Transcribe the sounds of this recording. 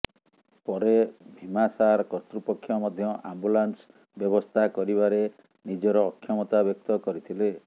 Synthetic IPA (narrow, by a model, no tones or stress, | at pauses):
pɔɾebʱimasaɾɔkɔɾt̪ɾupɔkʰːjɔmɔd̪ʱjɔʔambulans | bjɔbɔst̪ʰakɔɾiβaɾe | nid͡ʒɔɾɔːkʰːjɔmɔt̪abjɔk̚t̪ɔkɔɾit̪ʰile